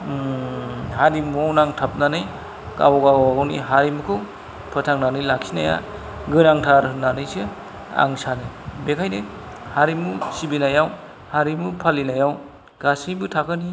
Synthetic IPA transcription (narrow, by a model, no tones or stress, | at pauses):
ɦadimɔwnaŋtʰap̚nanɯj | ka̰wɔɡaanḭɦaɾimukʰɯw | pʰɯtʰaŋnanɯjlaksinaja̰ | ɡɯnaŋtʰaɾɯnːanɯjsɯ | a̰ŋsanɯjbekʰajnɯ | haɾimusibinajaw | haɾimupʰalinajaw | ɡ̥asibɯtʰakʰɯni